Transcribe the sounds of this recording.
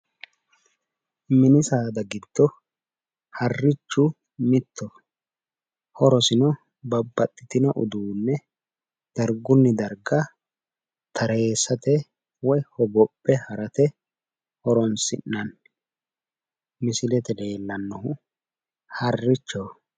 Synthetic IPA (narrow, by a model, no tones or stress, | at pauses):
mɪnɪsaːd̪ɐɡɪd̪̥ːɔ | hɐrːɪt͡ʃːʊ | mɪt̪ːɔ | hɔɾɔsɪnɔ | bɐbːɐt̪ʼːɪt̪ɪnɔʔʊ̰d̪uːnːɛ | d̪̥ɐɾɡʊnːɪd̪ɐɾɡɐ | t̪ʰɐɾe̞ːsːɐt̪ɛ | wɔjhɔɡɔpʼːɛhɐɾɐt̪ɛ | hɔɾɔnsɪ̰nːɐn | mɪsɪlɛt̪ɛd̪e̞ːlːɐnːɔhʊ | hɐrːɪt͡ʃːɔ